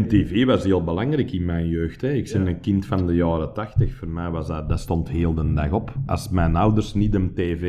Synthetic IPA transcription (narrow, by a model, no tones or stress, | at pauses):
ənteːveːʋɑsɦeːlˠbəlaŋrɛkɪnmɛjnjøːxtɛɪksɛnənkɪntfɑndəjɑːrətɑxtəxfoːrmɛjʋɑzdadastɔntɦeːlˠdənda̰ɣɔpɑ̰smɛjnawdərsnitənteːve